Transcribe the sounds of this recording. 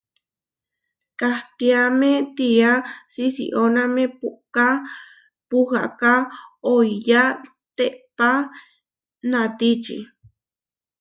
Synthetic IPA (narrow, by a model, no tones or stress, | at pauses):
kaht̪iamet̪iasisḭʔonãmẽpuʔka | puha̰ʔkaojja | t̪eʔpa | nãt̪it͡ʃḭ